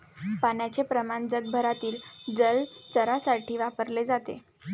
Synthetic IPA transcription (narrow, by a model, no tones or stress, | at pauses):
panjat͡sepɾəmand͡zəɡ̚bʱəɾat̪iːld͡zəlt͡səɾasaʈʰiːʋapəɾled͡zat̪ḛ